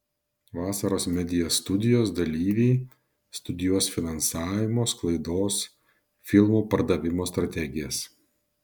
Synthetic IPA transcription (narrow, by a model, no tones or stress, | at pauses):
ʋɑːsɐɾoːsmʲɛd̪ʲɪjɛst̪ʊd̪ʲɪjoːsd̪ɐlʲiːʋʲɛː | st̪ʊd̪ʲɪjuɔsfʲɪnɐnsɑːʋʲɪmoːsklˠɐɪd̪oːs | fʲɪlˠmuːpɐɾd̪ɐʋʲɪmoːst̪ɾɐt̪ʲɛɡʲɪjɛs